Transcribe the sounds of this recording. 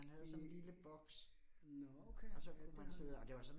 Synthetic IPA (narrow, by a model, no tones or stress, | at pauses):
ænɦæðˠɒliləb̥ɒ̽ɡ̥s | nɔokʰeɒsɒɔd̥ænsʰiðˠɒ̽d̥e̝ʋɑ̈sɒ̽n